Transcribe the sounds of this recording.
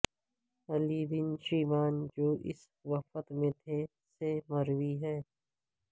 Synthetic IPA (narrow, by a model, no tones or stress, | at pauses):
əlibɪnʃiːmaːnd͡ʒoːʔɪ̰s | ʋəfət̪mẽt̪ʰe | seməɾwiɦɛː